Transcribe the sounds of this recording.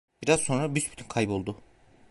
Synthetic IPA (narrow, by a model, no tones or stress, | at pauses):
biɾaz̥so̞nɾabysbyt̪ʰynkʰajbo̞lˠd̪ʊ